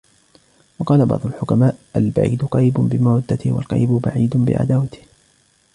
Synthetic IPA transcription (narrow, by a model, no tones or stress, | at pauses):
wɑqɑːlabɑ̰ʕd̪ˤʊlħʊkamaːʔʔalba̰ʕḭːd̪qɑjbʊnbɪmaːd̪ːat̪ɪhwa̰lqɑ̰jbʊbaʕiːd̪ʊbɪ̰ʕa̰d̪aːwat̪ɪ̥h